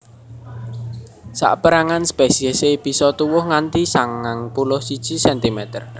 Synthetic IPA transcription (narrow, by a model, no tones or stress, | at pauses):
sa̰ʔpəɾaŋanspesiəseb̥i̤sɔt̪uwʊhŋant̪isaŋːaŋpulʊhsid̥ʒ̥i̤sɛnt̪imɛt̪ər